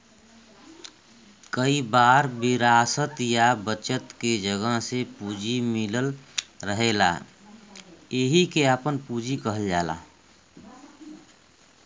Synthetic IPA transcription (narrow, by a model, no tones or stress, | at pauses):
kəibaːɾbɪɾaːsət̪jabət͡ʃət̪ked͡ʒəɡəɦsepuːd͡ʒimɪləlɾəɦela̰ | eɦikeəpənpuːd͡ʒikəɦəld͡ʒa̰ːla̰ː